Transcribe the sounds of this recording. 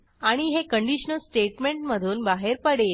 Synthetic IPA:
aɽ̃iɦekəɳɖiɕnəlsʈeʈmeɳʈməd̪ʱuːnbaɦeɾpəɽe

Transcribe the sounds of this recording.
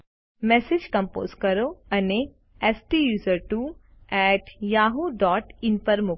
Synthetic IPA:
mɛːsed͡ʒkɐ̃mpo̰ːzkɐɾoɐne | ɛsʈijuːzəɾʈu | ɛːʈjaːɦuɖɔːʈɪnpɐɾmʊ

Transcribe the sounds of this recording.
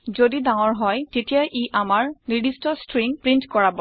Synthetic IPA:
zodidãŋɔɹɦɔjtetijaʔiʔamaɹnidistɔstɹiŋpɹintkɔɹabɔ

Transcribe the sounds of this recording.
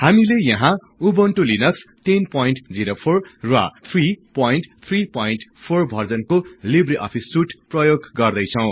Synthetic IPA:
hamilejʌɦã | ubʌnʈolinʌks | ʈinpojnʈd͡ziɾopʰorːwa̰t̪ʰripojinʈt̪ʰripojinʈpʰorbʱʌrd͡zʌnkolibriʔʌ̰pʰisːuʈprʌjoɡɡʌrd̪ʌjt͡sʰʌw̃

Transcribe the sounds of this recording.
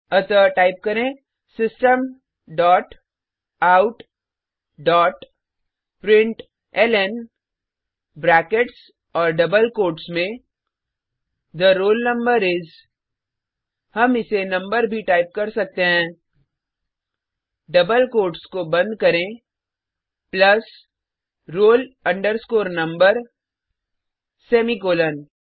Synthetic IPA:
ɐt̪əʈaːɪp̚kɐɾẽː | sɪsʈəm | ɖɔːʈ | aːʊʈ | ɖɔːʈ | pɾɪ̃ɳʈ | ɛlɛn | bɾɛːkeʈs | ɔːɾɖɐbəlkoːʈsmẽ | d̪əɾoːlnɐ̃mbəɾɪz | hɐmɪsenɐ̃mbəɾbʱiʈaːɪp̚kɐɾsɐk̚t̪eɦɛ̃ː | ɖɐbəlkoːɾʈskobɐ̃nd̪kɐɾẽ | plɐs | ɾoːlɐ̃ɳɖəɾskoːɾnɐ̃mbəɾ | sɛːmikoːlən

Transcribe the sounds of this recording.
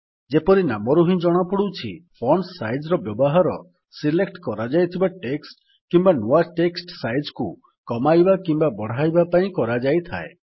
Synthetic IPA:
d͡ʒepɔɾinamɔɾuɦĩd͡ʒɔɽ̃ɔpɔɽut͡ʃʰḭpʰɔɳsajd͡ʒɾɔbjɔbɔɦaɾɔ̰ | silekʈkɔɾad͡ʒajt̪ʰibaʈeksʈ | kimbanuaʈeksʈsajd͡ʒku | kɔmajbakimbabɔɽ̤ajbapaĩkɔɾad͡ʒajt̪ʰa̰e

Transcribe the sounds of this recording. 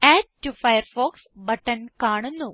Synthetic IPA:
ɛːd͡ʒʈufɐjɐɾfoːksbɐʈːɐnkaːɳunːu

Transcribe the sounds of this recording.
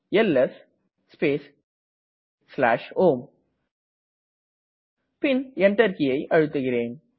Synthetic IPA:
ɛlɛs | speːs | sla̰ːʂoːm | pɪnɛɳʈɐɾkɪjɐɪʔɐɻɯt̪ːɯɣɪreːn

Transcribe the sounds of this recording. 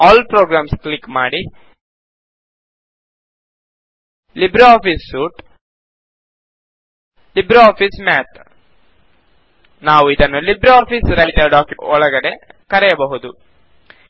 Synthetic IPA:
aːlpɾoːɡɾaːmskɭikːmaːɽi | libɾaːpʰisːuːʈ | libɾaːpʰismaːt̪ | naːʋuid̪ɐnːulibɾaːpisɾɐjʈ̪jɐɖaːkjuɔɭɐɡɐɽe̞kɐɾɛjɐbɐɦud̪u

